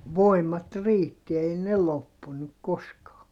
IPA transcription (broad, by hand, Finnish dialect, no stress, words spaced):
ʋoimɑt riːtːi ei ne lopːunuk koskɑː